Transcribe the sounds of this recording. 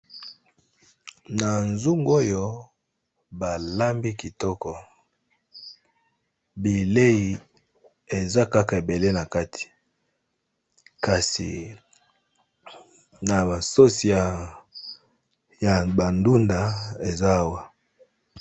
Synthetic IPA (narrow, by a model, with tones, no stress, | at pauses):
na˨nzu˦ŋɡo˦jo˦ | ba˨la˦mbi˦ki˨tɔ˦kɔ˨ | bi˨le˦ji˨ | e˨za˦ka˦ka˨e˨be˨le˦na˨ka˦tʰi̥˨ | ka˨sḭ˨ | na˨ba˨so˦si˨a˨ | ja˨ba˨ndu˦nda˨e˨za˦wa˦